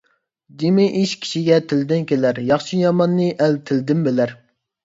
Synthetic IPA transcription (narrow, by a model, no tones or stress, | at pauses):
d͡ʒ̪imɪʔiʃkʲʰi̥ʃiɡʲɛt̪ʰɪld̪ɪnkʲelæɾjɑχʃijɑmɑnːɨʔɛlt̪ʰɪld̪ɪmbelæɾ